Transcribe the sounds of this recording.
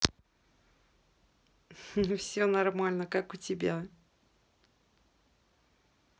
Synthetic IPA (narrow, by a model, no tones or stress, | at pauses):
fsʲonɐrmalʲnəkakʊtʲɪbʲa